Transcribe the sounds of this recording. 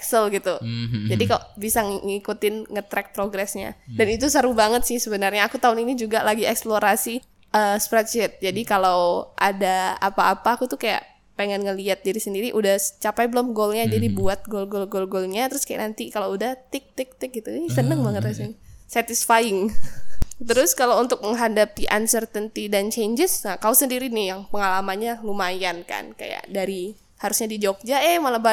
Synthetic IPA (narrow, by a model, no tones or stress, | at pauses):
ksəlɡit̪ud͡ʒadikalobisaŋŋikut̪ɪnŋət̪ɾɛk̚pɾoɡɾɛsɲa̰danit̪usəɾubaŋət̪sɪhsəbənarɲaːkut̪aʊninid͡ʒuɡalaɡiɛksploɾasi | əspɾɛt͡ʃɛt̪̚d͡ʒadikalawʔa̰daa̰paːpaːkut̪ʊkaja̰ʔ | peŋɛnŋəliat̪̚diɾisəndiɾiʔudaht͡ʃapajbəlʊmɡolɲad͡ʒadibuat̪̚ɡolɡolɡolɡolɲat̪əɾʊskaja̰ʔnant̪ikaloudaht̪ɪk̚t̪ɪk̚t̪ɪk̚ɡit̪uɛsənəŋməŋərasinsɛt̪ɪsfajɪŋ | t̪əɾʊskalaunt̪ʊk̚məŋɦandapiʔa̰nsərt̪ənt̪idant͡ʃeɲd͡ʒəsnakausəndiɾinɪjaŋpəŋalamanɲalumajanka̰nka̰ja̰ʔdaɾi | haɾusɲadid͡ʒok̚d͡ʒaɛmalaba